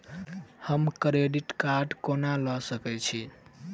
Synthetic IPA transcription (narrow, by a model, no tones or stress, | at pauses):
həmkɾeɖiʈkaɾɖkonalɔsəkɛt͡ʃʰi